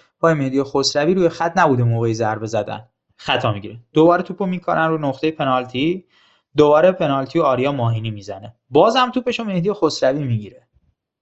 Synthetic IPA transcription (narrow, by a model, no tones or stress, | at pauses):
pʰɒːjemehd̪ijexosɾæviːɾuːjexæt̪ʰnæbuːd̪emoːɣeizæɾbe̞zæd̪æ̰n | xæt̪ʰɒːmiɟiɾed̪obɒːɾet̪ʰupʰomikʰo̰ɾænruːnoxt̪e̞jepʰe̞nɒːlt̪ʰi | d̪obɒːɾepʰe̞nɒːlt̪ʰijoɒːɾijɒːmɒːɦiːniːmiːzæne̞ | bɒːzhæmt̪ʰuːpe̞ʃomehd̪ijexosɾævimiɟiɾe